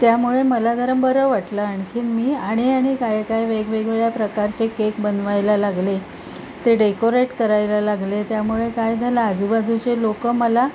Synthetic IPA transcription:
t̪jamuɭeməlad̪ʱəɾəmbəɾəʋaʈlaːɳkʰiːnmiːaɽ̃iaɽ̃ikajkajʋeɡʋeɡʋeɭjapɾəkaɾt͡ɕekekbənʋajlalaɡle | t̪eɖekoɾeʈkəɾajlalaɡlet̪jamuɭekajd͡zʱalaːd͡zubad͡zut͡ɕelokəməla

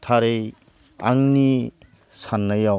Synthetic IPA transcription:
tʰaɾej | aŋni | sanːaja

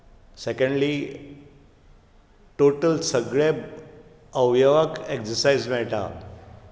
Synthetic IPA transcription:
sekəɳɖli | ʈoʈəlsəɡɭe | əʋjəʋakeksəɾsajd͡zmɛɭʈa̰

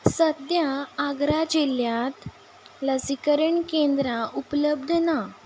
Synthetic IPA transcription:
səd̪jaːɡɾad͡ʑeljat̪ | lasikəɾəɳkẽnd̪ɾaʔupləb̚d̪ʱna

